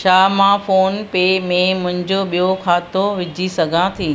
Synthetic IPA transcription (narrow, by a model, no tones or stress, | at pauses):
ʃaːmãfoːnpemẽmʊ̃ɦɪ̃ɲd͡ʑoɓijokʰaːt̪oʋɪd͡ʑʱisɐɡʱãt̪ʰĩː